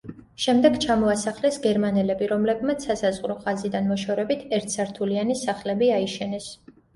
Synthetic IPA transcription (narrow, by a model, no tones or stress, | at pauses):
ʃɛmd̪ɛɡt͡ʃʰamɔasaχlɛsɡɛɾmanɛlɛbiɾɔmlɛbmat̪sʰːasazʁɾɔχazid̪anmɔʃɔɾɛbit̪ʰɛɾt̪ʰsaɾt̪ʰulianisaχlɛbiaiʃɛnɛs